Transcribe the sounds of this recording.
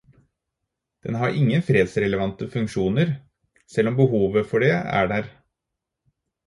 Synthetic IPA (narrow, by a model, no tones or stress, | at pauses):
d̪̥ɛ̰nɦɑɾʔɪŋːənfɾeːd̪sɾɛləʋɑnt̪əfʉŋkʃuːnəɾ | sɛlɔmbəɦuːʋəfɔɖeæ̰ːɖæːɾ